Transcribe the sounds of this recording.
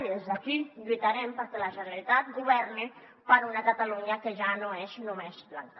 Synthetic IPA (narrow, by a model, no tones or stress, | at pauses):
ezðakiʎuit̪aɾɛmpəɾkelaʒənaɾit̪at̪̚ɡuβɛrni | pəɾunakat̪aluɲakeʒanoeznumezblaŋk